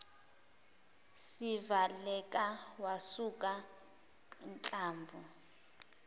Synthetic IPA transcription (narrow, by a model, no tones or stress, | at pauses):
sivalɛkʼawasukʼa | nt͡ɬʼaːɱvu